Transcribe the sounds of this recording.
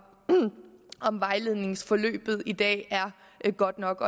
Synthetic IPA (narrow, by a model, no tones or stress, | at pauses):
ɒ̽mʋɑ̈ɪle̝ð̞ˠne̝ŋsfɒ̽lø̰ːb̥ð̞̩ˠid̥ɛ̰ːæɐ | ɡ̥ɒ̽d̥nɒ̽ɡ̥ɒ